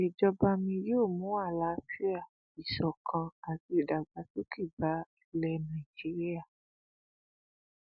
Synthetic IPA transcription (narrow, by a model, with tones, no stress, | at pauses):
i˨d͡ʒɔ˧ba˧mĩ˧ɾi˦o˦˨mũ˨˦a˦˨la˦fi˦a˦˨ | i˨ʃɔ˨kʰã˧a˨ti˧˦i˨da˨ɡ͡ba˨to˦ki˦˨ba˨˦i˧˦lɛ˧nã˨i˨d͡ʒi˨˦ɾi˦a˦˨